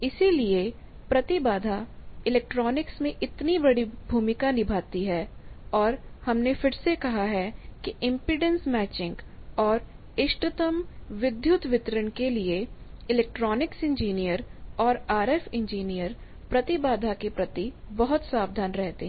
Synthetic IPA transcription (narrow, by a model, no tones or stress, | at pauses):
ɪsilie | pɾɐt̪ibaːd̪ʱaɪleːk̚ʈɾɔːnɪksmẽʔɪt̪nibɐɽibʱuːmɪkanɪbʱaːt̪iɦɛːɔːɾhɐmnefʰɪɾsekɐɦaɦɛkiʔɪ̃mpɪɖə̃nsmɛːt͡ʃɪ̃ŋɡɔːɾ | ɪʃʈət̪əmʋɪd̪ʱjʊt̪ʋɪt̪ɾəɳ̃kelieɪlɛːk̚ʈɾɔːnɪksɪ̃ɲd͡ʒiːnijəɾɔːɾaːɾɛfɪ̃ɲd͡ʒiːnijəɾ | pɾɐt̪ɪbaːd̪ʱakepɾɐt̪ibɐɦʊt̪saːbd̪ʱaːnɾɛɦt̪eɦɛ̃ː